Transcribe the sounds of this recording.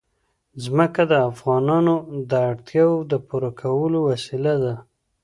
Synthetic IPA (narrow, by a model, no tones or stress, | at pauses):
zməkad̪əafɣɑnɑnod̪əaɽt̪jɑwd̪əpuɾakʰawəlowasilad̪a